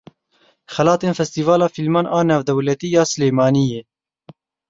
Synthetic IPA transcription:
xɛlɑːt̪eːnfɛst̪iːvɑːlɑːfilmɑːnʔɑːnaːvd̪ɛwlɛt̪iːjɑːsɨleːmɑːnijeː

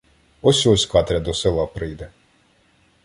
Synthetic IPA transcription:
ɔsʲɔsʲkɑt̪ɾʲɐd̪ɔsɪlˠɑpɾɪjd̪ɛ

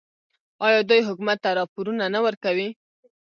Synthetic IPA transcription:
ɑjɑd̪ujɦʊkumat̪ːaɾɑpoɾunanawəɾkawi

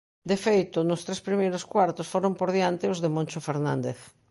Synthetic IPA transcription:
d̪efejt̪ʊnʊst̪ɾespɾimejɾoskwaɾt̪osfoɾompoɾðjant̪ɪʊzðemõnʲt͡ʃofeɾnã̰nd̪eθ

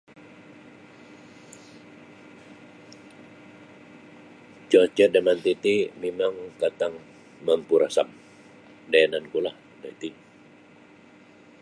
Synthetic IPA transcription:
t͡ʃɔt͡ʃɛdəmant̪it̪imemaŋkat̪aŋ | məmpuɾasam | daanankulah | dait̪i

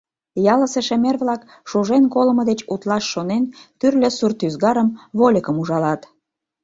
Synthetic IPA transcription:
jɑləseʃemerβlɑk | ʃuʒenkoləməd̪et͡ɕut̪lɑʃːonent̪yrlʲesurt̪yzɡɑɾəmβolʲəkəmuʒɑlɑt̪

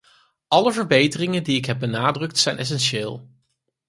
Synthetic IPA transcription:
ʔɑləvəɹbejtərɪŋəndiɪkɦɛb̚bənaːdrɵk̚tsɛjnʔɛs̬ɛnʃɪːlˠ

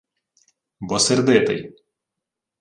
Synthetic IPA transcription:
bɔsʲɛɾʲd̪ʲeːt̪ɐɪ

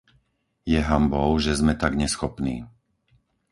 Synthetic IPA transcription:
jɛɦambɔʊʒɛzmɛt̪aɡɲɛsxɔpnḭː

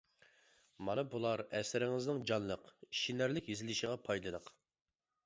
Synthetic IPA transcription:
mɑnɨbulˠɑɾɛsɪɾɪŋɪznɪŋd͡ʒɑnlˠəqi̥ʃinæɾlɪkʲjezɪlɪʃiʁɑpʰɑjlˠɨd̪əq

